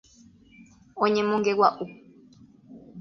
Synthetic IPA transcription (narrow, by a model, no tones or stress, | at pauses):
õɲẽmõŋɡewaʔu